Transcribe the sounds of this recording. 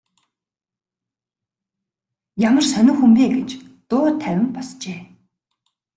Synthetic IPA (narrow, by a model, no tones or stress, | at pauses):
jamə̆rsœnʊ̆ːxumpeːɡet͡ɕt̪ʊːt̪ʰæwʲɪ̆mpɔst͡ɕeː